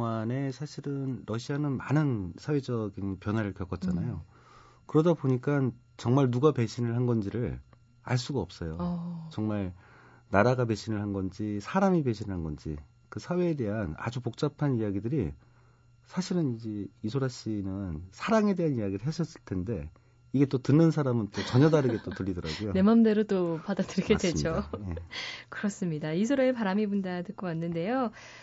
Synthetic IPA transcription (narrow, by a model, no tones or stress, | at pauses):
ŋane̞sʰaɕʰiɾɯnɾʌɕʰianɯnmanɯnsʰawe̞d͡ʑʌɡinpjʌnɦwaɾɯɭkjʌk͈ʌt̚t͡ɕ͈anajo | kɯɾʌdaboɲik͈an | t͡ɕʌŋmaɭnuɡape̞ɕʰinɯɭɦanɡʌnd͡ʑiɾɯɭ | a̰ɭs͈uɡaʌp̚s͈ʌjot͡ɕʌŋmaɭ | naɾaɡap̬e̞ɕʰinɯɭhanɡʌnd͡ʑisʰaɾamipe̞ɕʰinɯɭɦanɡʌnd͡ʑḭ | kɯsʰawe̞ːde̞ɦana̰d͡ʑupok̚t͡ɕ͈apʰanijaɡidɯɾi | sʰaɕʰiɾɯnid͡ʑe̞isʰoɾaɕ͈inɯnsʰaɾaŋe̞de̞ɦanijaɡiɾɯɭɦeɕʰʌs͈ɯɭtʰe̞nde̞ | iɡe̞t͈otɯnːɯnsʰaɾamɯnt͈ot͡ɕʌɲʌdaɾɯɡe̞t͈otɯʎːidʌɾa̰ɡujone̞mamde̞ɾot͈opadadɯɭɡedwed͡ʑojekɯɾʌs͈ɯmɲidaisʰoɾaepaɾamibundatɯk͈okanːɯnde̞jo